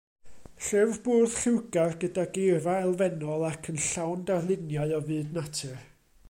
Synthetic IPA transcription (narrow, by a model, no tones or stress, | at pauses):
ɬɪvvboːð̥ɬɪwɡarɡədaɡejvaɛlˠvɛnɔlˠakʰənɬawndarlˠɪnjaɨɔvɨːdnatʰɨr